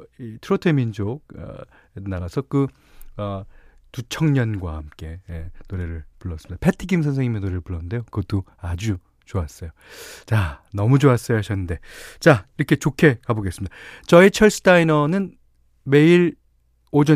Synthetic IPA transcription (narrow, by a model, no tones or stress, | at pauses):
itʰɯɾotʰemind͡ʑoɡʌ̰ | nːaɡasʰʌkɯ | ʌ | tut͡ɕʰʌŋɲʌnɡwa̰hamk͈e̞enoɾe̞ɾɯɭpuɭːʌs͈ɯmid̥apʰetʰiɡimsʰʌnsʰe̞ŋimjʌnoɾeɾɯɭpuɭːʌnnde̞jokɯdoad͡ʑu | t͡ɕoas͈ʌjo | t͡ɕanʌmud͡ʑoas͈ʌjoɦaɕʰʌnːɯnde̞t͡ɕaiɾʌkʰe̞t͡ɕokʰe̞kaboɡe̞s͈ɯmidat͡ɕʌit͡ɕʰʌɭs͈ɯ̥tainʌnɯn | me̞iɾ | od͡ʑʌ